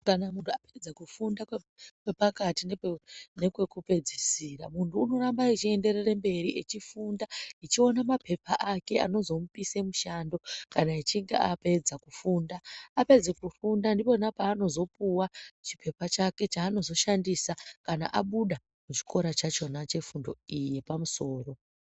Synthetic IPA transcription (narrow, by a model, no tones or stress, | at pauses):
kanamuntuaped͡zakufundakwe | kwe̞pakatinenekwe̞kupe̞d͡zisira̰muntʰuːno̞ɾambait͡ʃie̞nde̞rerembe̞ɾiʔet͡ʃifundait͡ʃio̞namapʰe̞paʔake̞a̰no̞zo̞mupise̞muʃando̞kanait͡ʃiŋɡe̞̰ʔa̰pe̞d͡zakufundaape̞d͡zekufundandipo̞napaːno̞zo̞puwat͡ʃi̥pʰe̞pat͡ʃake̞t͡ʃaːno̞zo̞ʃandisakana̰ʔaɓuɗa | mut͡ʃi̥kʰo̞ɾat͡ʃat͡ʃo̞nat͡ʃe̞fundo̞̰ije̞pamuso̞ːro̞